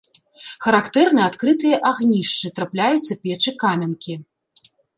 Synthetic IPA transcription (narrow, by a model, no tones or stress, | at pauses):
xɐɾakt̪ɛrnɨjat̪kɾɨt̪ɨjɐʔaɣnʲiʂt͡ʂɨt̪ɾaplʲajut̪sːɐpʲɛt͡ʂɨkamʲɐnkʲi